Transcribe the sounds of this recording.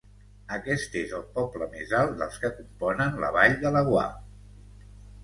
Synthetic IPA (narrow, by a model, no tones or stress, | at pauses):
əkɛst̪ezəlˠpɔpləmezalˠt̪̚d̪ə̰lˠskəkumpɔnənlə̰βaʎðələɣwa̰